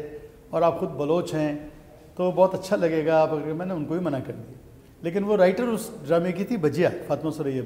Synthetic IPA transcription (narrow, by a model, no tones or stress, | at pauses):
ɔːɾaːpxʊd̪̚bɐloːt͡ʃɦɛ̃ | t̪obɔːt̪ɐtːʃʰalɐɡeːɡaaːpɐɡəɾkemɛ̃ːneʊnkobʱimɐnakɐɾni | leːk̬ɪnʋoɾaːɪʈəɾʊsɖɾaːmekit̪ʰibɐd͡ʒijaːfaːt̪mãsoɾɐɦie